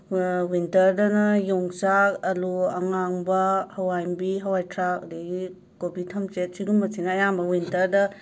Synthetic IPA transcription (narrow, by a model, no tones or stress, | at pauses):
wintɐɾdɐnɐjoŋsak̚ɐluɐŋaŋbɐhɐwajmbiɦɐwajtʰɾak̚deɡi | kobitʰɐmt͡ʃet̚siɡumbɐsʰinɐːjambɐwintɐɾdɐ